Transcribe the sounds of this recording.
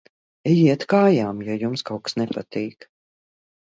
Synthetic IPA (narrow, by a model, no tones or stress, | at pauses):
ɛjiɛt̪kaːjaːmjɔjumskawksnɛpat̪iːk